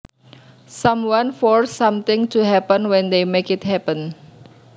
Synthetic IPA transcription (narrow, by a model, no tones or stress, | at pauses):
samwanfɔɹsːamt̪ɪ̃ŋtʰuɦɛpə̃nwɛ̃nd̪emekɪt̪̚hɛpə̃n